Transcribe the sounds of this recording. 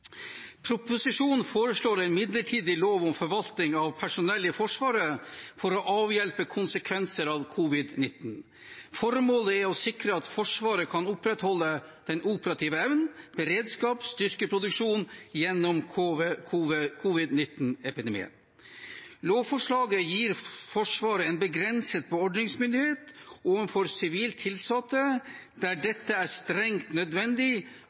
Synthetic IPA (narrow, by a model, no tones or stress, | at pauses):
pʰɾʊpʊsɪʂuːnfoːɾəʂɭoːɾæɪnmɪd̪ləʈʰiːd̪ɪloːʋɔmfɔɾʋɑlt̪ɪŋɑʋpʰæʂʊnɛlːəfɔʂʋɑːɾəfɔɾɔʔɑːʋjɛlpəkʰʊnsəkʰʋɛnsəɾɑʋkʰʊʋɪd̪nɪt̪n̩ | fɔɾmoːləæɾɔsɪkɾəɑt̪fɔʂʋɑːɾəkʰɑnʊpɾɛt̪hɔlːəd̪̥ɛnʔuːpəɾɑt̪ʰiːʋəɛʋnb̥əɾeːd̪skɑːpst̪ʏɾkəpʰɾʊd̪ʉkʂuːnjɛnːɔmʰkʰːkʰʊʋɪd̪nɪt̪nɛpɪd̪ɛmḭːə̰n | loːfɔʂɭɑːɡəjiːɾfɔʂʋɑːɾəɛnbəɡɾɛnsət̪̚pʰɔɔɖnɪŋsmʏnd̪ɪheːt̪oːnfɔɾsɪʋiːlt̪ʰːɪlsɑt̪ːə | d̪̥æɖɛt̪ːəæst̪ɾɛŋt̪nœd̪ʋɛnd̪ɪ